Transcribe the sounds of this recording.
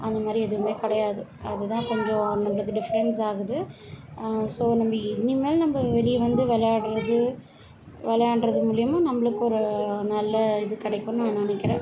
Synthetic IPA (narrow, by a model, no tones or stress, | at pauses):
ɐnd̪ɐmaːd̪ɾiɛðɯʋɯmeːkɐɽɐjaːðɯɐðɯt̪ãːkɔɲd͡ʒõnɐmbɐɭɯkːɯɖɪfɐɾɛnsaːɣɐðɯ | soːnɐmbɐɪnimeːlnɐmbɐʋɛɭɪʋɐnd̪ɯʋɛlɐjaːɽɾɐðɯ | ʋɛlɐjaːɽɾɐðɯmuːlɪjɐmaːnɐmːɐɭɯkːɯɔɾɯnɐlːɐɪðɯkɐɽɐɪkːõːnãːnɪɳɐkːɪɾẽː